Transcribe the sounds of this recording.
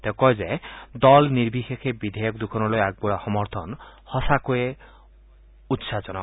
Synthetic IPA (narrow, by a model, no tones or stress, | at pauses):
t̪ekɔjd͡ʒed̪ɔlniɾbixekʰebid̪ʱejɔkd̪ukʰɔnɔlojaɡ̚buɽaxɔmɔɾt̪ʰɔnhɔsakoe | ut̪sat͡ʃɔnɔ